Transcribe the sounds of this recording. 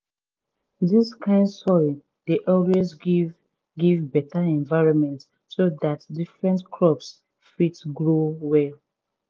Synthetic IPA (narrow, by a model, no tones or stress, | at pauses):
diskʰãɪ̃ndsɔɹĩ | deʔɔlwez | ɡivbɛtaɛ̃nvaɪɹɔ̃nmɛ̃nt | sodatdifɹɛ̃ntkʰɹɔps | fitɡɹowɛl